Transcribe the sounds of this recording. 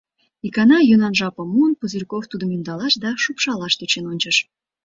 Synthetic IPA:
ikɑnɑjunɑnʒɑpə̆munpuzʲyrʲkoft̪ud̪əmjynd̪ɑlɑʃd̪ɑʃupʃɑlɑʃt̪øt͡ɕenonʲt͡ɕəʃ

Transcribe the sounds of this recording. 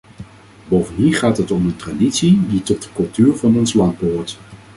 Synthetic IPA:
bowvəniχaːtɦətɔməntraditsiditɔt̚dəkɵlˠtyːɹvɑnɔnslɑnd̚bəɦʊːɹt

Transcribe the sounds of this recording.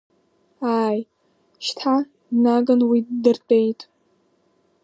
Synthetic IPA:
aːj | ʃtʰa | naɡɨnwidɨrtʼe̞jtʼ

